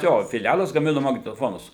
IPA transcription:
ˈjoː fʲɪˈlʲælˠɐs ɡɐˈmʲɪnʊ mɐɡnʲɛtoːˈfoːnʊs

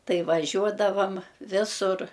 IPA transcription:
ˈtɐɪ ʋɐˈʒʲuɔdɐʋɐm ˈʋʲɪsʊr

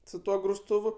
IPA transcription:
sʊ ˈtuɔ ɡrʊsˈtuːʋʊ

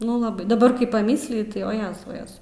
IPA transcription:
ˈnʊ lˠɐˈbɐɪ dɐˈbɐr kɐɪ pɐˈmʲiːsʲlʲɪjʊ tɐɪ oː ˈjæːzɐʊ ˈjæːzɐʊ

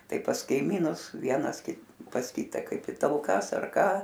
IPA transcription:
ˈtɐɪ pɐs kɐɪˈmʲiːnʊs ˈʋʲiɛnɐs ˈkʲɪt pɐs ˈkʲiːtɐ ˈkɐɪp ɪ tɐlˠˈkɐs ɐr ˈkɑː

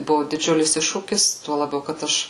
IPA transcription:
ˈbʊʋʊ dʲɪˈd͡ʒʲʊlʲɪs ˈɪʃʃuːkʲɪs ˈtuɔ lˠɐˈbʲɛʊ kɐt ˈɐʃ

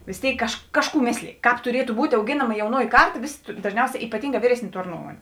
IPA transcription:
ʋʲɪs ˈtʲeːɪk kɐʃk ˈkɑːʃˌkuː ˈmʲeːsʲlʲeːj ˈkɑːp tʊˈrʲiɛtʊ ˈbuːtʲ ɐʊˈɡʲɪnɐmɐ jɛʊˈnuɔjɪ ˈkɐrˌtɐ ˈʋʲɪsʲɪ dɐʒʲˈnʲɛʊsʲɛː iːpɐˈtʲiːŋɡɑː ˈʋʲiːrʲɛsʲˌnʲeː ˈtoːr ˈnuɔmuɔnʲeː

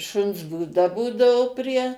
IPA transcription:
ˈʃʊns buːˈdɐ ˈbuːdɐʋoː pʲrʲiɛ

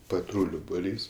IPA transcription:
pɐˈtruːlʲʊ bʊˈrʲiːs

